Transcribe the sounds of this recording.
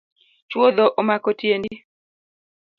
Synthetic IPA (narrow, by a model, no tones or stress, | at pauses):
t͡ʃwod̪oʔomakotjendi